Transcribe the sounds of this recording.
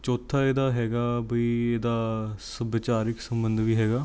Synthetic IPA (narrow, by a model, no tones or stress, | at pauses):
t͡ʃɔːt̪ʰːaːeːd̪aːɦɛːɡaːbəiːeːd̪aːsəbɪt͡ʃaːɾɪksəmbənd̪ʋiːɦɛːɡaː